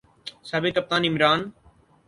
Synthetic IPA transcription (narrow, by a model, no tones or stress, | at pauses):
sabet̪ɐp̚t̪aːnɪmɾaːn